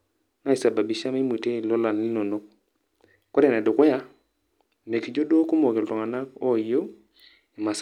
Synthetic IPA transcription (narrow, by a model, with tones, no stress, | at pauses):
na˦i˨sa˨ba˨bi˨ʃa˦ma˦i˦mu˨te˦˨lɔ˦la˨n˨li˦no˨no˦k̚ | kːɔ˦ɾe˨na˨dʊ˨ku˦ja˦ | me˨ki˨d͡ʒo˦do˦ku˦mo˨ke˨ltɔ˨ŋa˨na˦kɔ˦˨jo˦ | i˨ma˨s